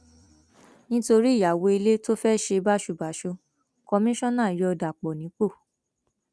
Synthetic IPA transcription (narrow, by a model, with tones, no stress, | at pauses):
nĩ˦to˧ɾi˦˨ja˨wo˧i˧le˦to˦fɛ˦ʃe˧ba˦ʃu˧˨ba˨˦ʃo˧ | kɔ˧mĩ˦ʃɔ̃˦nãː˦˨jɔ˧ɔ˧da˨k͡pɔ˨nĩ˨˦k͡po˦˨